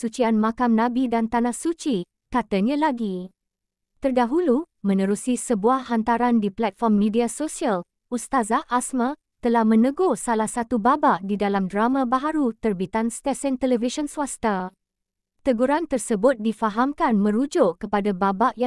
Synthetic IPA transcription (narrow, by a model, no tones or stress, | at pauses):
sut͡ʃianmãkamnãbidant̪anahsut͡ʃi | kat̪aɲãlaɡi | t̪ərdaɦulumə̃nə̃ɾusisəbuahhant̪aɾandiplɛt̪̚fɔrmːĩdiasosial | ust̪azaʔasmã | t̪əlahmə̃nə̃ɡosalahsat̪ubabaʔdidalamdɾamãbaɦaɾut̪ərbit̪anst̪ɛsɛnt̪ɛlɛviʃɔnsuwast̪a | t̪əɡuɾant̪ərsəbʊt̪̚difaɦamkanmə̃ɾud͡ʒʊʔkəpadababaʔja